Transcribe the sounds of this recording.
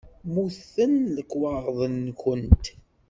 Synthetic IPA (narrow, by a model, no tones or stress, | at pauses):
muθənləkːwɑʁˤðˤənːkənt̪